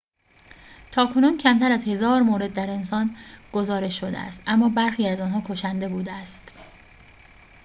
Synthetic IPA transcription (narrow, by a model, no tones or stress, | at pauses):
t̪ʰɒːkʰo̞nuːncʰæmt̪ʰæɾæzhe̞zɒːɾmoːɾe̞d̪̚ːæɾe̞nsɒːnɡ̥o̞zɒːɾe̞ʃʃod̪ḛæ̰st̪ʔæmːɒːbæɾxiːæzɒːnɦɒːkʰo̞ʃænd̪e̞buːd̪eæst̪